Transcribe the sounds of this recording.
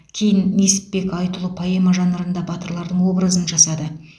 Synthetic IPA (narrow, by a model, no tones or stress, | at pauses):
kʲʰe̞jɪnːe̞sɪ̥ppe̞kɑjt̪əlˠəpʰojemɑʒɑnəɾənd̪ɑbɑt̪əɾlˠɑɾd̪əɴwo̞bɾəzənʒɑsɑd̪ə